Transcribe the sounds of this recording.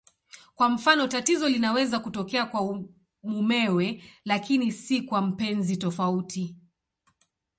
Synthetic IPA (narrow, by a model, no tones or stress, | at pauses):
kwam̩fanɔtatizɔlinawɛzakutɔkɛakwa | mumɛwɛlakinisikwam̩pɛnzitɔfautʰi